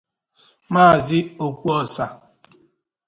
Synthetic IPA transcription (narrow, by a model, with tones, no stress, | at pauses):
maː˦˨zɪ˦o˨kʷu˦ɔ˨sa˨